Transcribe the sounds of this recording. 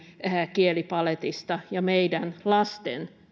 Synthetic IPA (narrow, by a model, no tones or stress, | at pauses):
kielipɑlet̪ist̪ɑjɑmeidænlɑst̪ḛn